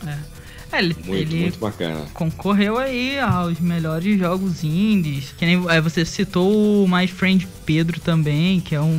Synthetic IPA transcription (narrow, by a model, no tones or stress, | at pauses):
ɛ | ɛelɪũelɪ̃t̪bakɐ̰̃nɐ̰kõkoɦewaiawzmeʎɔɾɪzʒɔɡʊzĩdɪskɪnẽj̃ɛvosesit̪oʊmajfɾẽnd͡ʒɪped̪ɾʊt̪ɐ̃mbẽj̃kɪɛũ